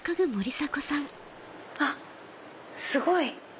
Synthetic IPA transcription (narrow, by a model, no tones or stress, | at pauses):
kaɡɯ̟moɾʲisakosãŋ | a | sɨɡo̞i